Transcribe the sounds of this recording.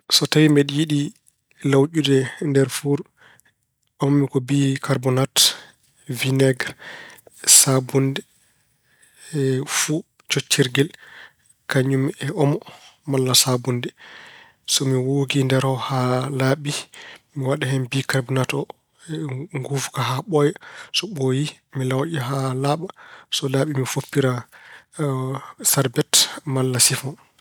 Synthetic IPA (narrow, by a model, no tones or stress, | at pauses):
sɔtawimɛɗijiɗi | lawʔudɛndɛɾfuɾ | ɔmmikɔbikaɾbɔnat | vinɛɡɾ | sabundɛ | fu | t͡ʃot͡ʃːiɾɡɛl | kaɲːumɛʔɔmɔmalːasabundɛ | sɔmiwoɡindɛɾɔhalaːɓimiwaɗahɛnbikabinatɔ | ŋɡufkaɦaɓɔjɛsɔɓoji | milawʔiɦalaɓasɔlaːɓimifopːiɾa | saɾbɛtmalːasifɔn